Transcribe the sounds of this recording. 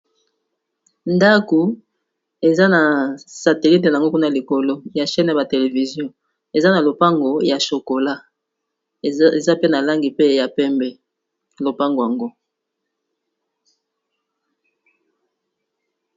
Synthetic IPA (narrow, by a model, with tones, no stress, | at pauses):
nda˦ku˨ | e˨za˦na˨sa˨te˨li˦t̬e˨na˨ŋɡo˦ku˦na˨li˨ko˨lo˦ja˨ʃɛ˦n˨ja˨ba˨te˨le˨vi˨zjɔ̃˦ | e˨za˦na˨lo˨pa˦ŋɡo˨ja˨ʃo˨ko˨la˦ | e˨za˦pe˦na˨la˦ŋɡi˨pe˦ja˨pɛ˦mbɛ˨ | lo˨pa˦ŋɡo˨ja˨ŋɡo˦